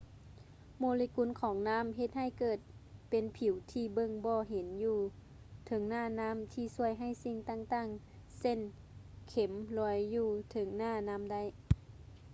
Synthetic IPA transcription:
moː˧˨li˧˦ku˧˥˨nkʰɔː˨˦ŋnaː˧˥˨mɦe˧˦t̪̚ha˧˥˩jkɤː˧˩t̪̚pe˨˦npʰi˨˩˦wt̪ʰiː˧˩bɤ˧˨ŋbɔː˧ɦe˨˦njuː˧ | t̪ʰɤ˨˧˦ŋnaː˧˩˨naː˧˥˨mt̪ʰiː˧˩su˧˥˩əjɦa˧˥˩jsi˧ŋt̪aː˧˨ŋt̪aː˧˩ŋ | se˧˨n | kʰe˨˩˦mlɔː˧˦jːuː˧˩t̪ʰɤ˨˦ŋnaː˧˩na˧˥˨mda˧˥˨j

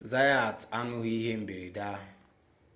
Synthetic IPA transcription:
za˦ja˨ta˦nʊ˦ɣi˦ɦe˦m̩˦be˨ɾi˨da˦ɦʊ˨

